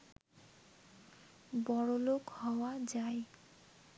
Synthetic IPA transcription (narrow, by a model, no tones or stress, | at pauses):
bɔɽolokhɔoad͡ʑae